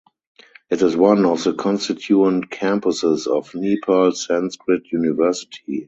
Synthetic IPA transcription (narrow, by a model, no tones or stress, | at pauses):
ʔɪtɪzwãnɔfðəkʰɔ̃nstɪtʰjuə̃ntkʰæ̃mpʊsɪsɔfnipʰəlsæ̃nskɹɪtʰjunɪvɜ˞sɪ̥tʰi